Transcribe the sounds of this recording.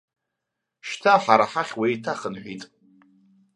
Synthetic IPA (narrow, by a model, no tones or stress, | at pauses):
ʃtʰaħaɾaħaχʲwejtʰaχənħʷᶣitʼ